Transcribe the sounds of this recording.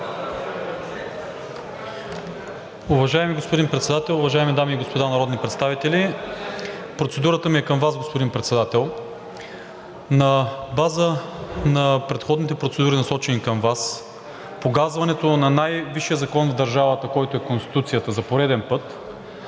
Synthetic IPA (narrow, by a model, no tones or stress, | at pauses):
ʊvɐʒaɛmiɡospod̪inpɾɛt̪sɛd̪at̪ɛlˠʊvɐʒaɛmid̪amiːɡospod̪anɐɾɔd̪nipɾɛt̪st̪avit̪ɛlʲi | pɾot̪sɛd̪uɾət̪əmiɛkəmvazɡospod̪inpɾɛt̪sɛd̪at̪ɛlˠ | nɐbazənɐpɾɛt̪xɔd̪nit̪ɛpɾot̪sɛd̪uɾinɐsɔt͡ʃɛnikəmvas | poɡazvɐnɛt̪onɐnajviʃijəzɐkɔnvd̪ɐɾʒavət̪əkɔjt̪oɛkonst̪i̥t̪ut̪sijət̪əzɐpoɾɛd̪ɛnpɤt̪